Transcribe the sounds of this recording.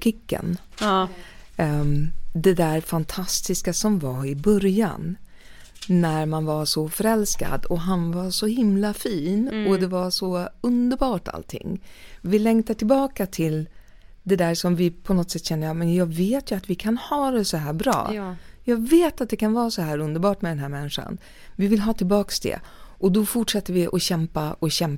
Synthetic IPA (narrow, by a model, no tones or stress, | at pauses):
kʰɪkːə̰n | d̪ɛd̪æɾfant̪ʰast̪ɪskasɔmvɑɪbœɾja̰n | æɾmanvaʂɔfœɾɛlska̰d̪ɔɦanvaɾʂɔhɪmlafiːnɔd̪ɛvaʂɔɵnd̪əɾbɑːʈa̰lt̪ʰɪ̰ŋːvɪlɛŋt̪aʈʰɪlbɑːkat̪ʰɪl | d̪ɛd̪æːɾʂɔmvɪpʰɔnɔt̪ːsɛt̪ːɕɛnːəjɑmɛnjɑːɡveːt̪jɵat̪vɪkʰanhɑːd̪ɛsɔɦæːɾbɾɑ̰ːjɑːɡveːt̪at̪̚d̪ɛkʰanvɑːɾsɔɦæːɾɵnd̪əɾbɑːʈmɛd̪ɛnɦæːɾmɛnːɪɧa̰n | vɪvɪlːɦɑːt̪ʰɪlbɑːksd̪ɛ̰ʔɔd̪ɔfʊʈʂat̪ːəɾvɪʔɔɕɛmpaʔɔɕɛm